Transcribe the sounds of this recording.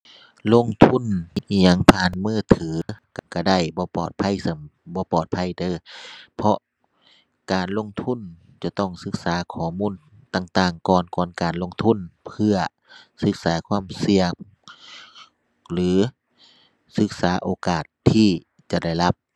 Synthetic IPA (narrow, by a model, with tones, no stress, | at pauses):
lo˧˥˨ŋt̪ʰu˧˥˨n˧i˧˩ɲa˧˩˨ŋpʰaː˧˥˨nmɯː˧˩t̪ʰɯː˨˦kka˧˩da˧˩jbɔː˧˦pɔː˨˩t̪̚pʰa˧˥˨jsɤ˧˩mbɔː˧˦pɔː˨˩t̪̚pʰa˧˥˨jt̪ɤː˧˦pʰɔ˧ʔ | kaː˨nlo˧˥˨ŋt̪ʰu˧˥˨n | t͡ɕa˧˩t̪ɔ˧˩ŋsɯ˧˥k̚saː˨˦kʰɔː˨˧˦muː˧˥˨n | t̪aː˧˩ŋt̪aː˧˩ŋkɔː˨˩nkɔː˨˩nkaː˨˩nlo˧˥˨ŋt̪ʰu˧˥˨npʰɯ˧ɐ | sɯ˧˥k̚saː˨˦kʰwaː˧˥˨msi˧əŋ | lɯː˨˦ | sɯ˧k̚saː˨˦ʔoː˨˩kaː˨˩t̪ʰːiː˧˩ | t͡ɕa˧˩da˧˩jla˧˥p̚